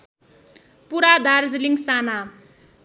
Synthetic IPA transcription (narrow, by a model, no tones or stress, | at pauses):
puɾad̪ard͡zliŋɡsana